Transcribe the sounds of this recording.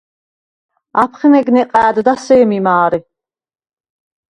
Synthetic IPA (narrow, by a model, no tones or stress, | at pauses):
apʰχɛnɛɡnɛqʼæːd̪d̪asɛːmimaːɾi